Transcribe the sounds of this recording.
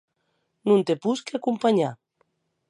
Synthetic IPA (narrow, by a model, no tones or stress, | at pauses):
nũnt̪epuskeakumpaɲa̰